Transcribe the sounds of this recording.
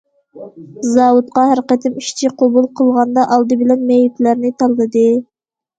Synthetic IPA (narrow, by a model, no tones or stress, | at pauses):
zɑwut̪̚qɑhæɾqɛt̪ʰɪmiʃt͡ʃ̪ʰiqʰobulˠqʰəlˠʁɑnd̪ɑʔɑlˠd̪ɨbɪlɛnmejit̪læɾnɪt̪ʰɑlˠːɨd̪ɨ